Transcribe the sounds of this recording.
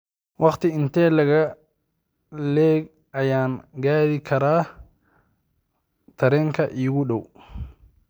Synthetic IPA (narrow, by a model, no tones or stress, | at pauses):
wɑqt̪ɪɪnt̪ɛːlɐɣɐ | lɛːɡ | ʔɐjaːnɡaːɾikʰɐɾaː | t̪ʰɐɾɛːŋkʰɐʔiːɣʊɗɔw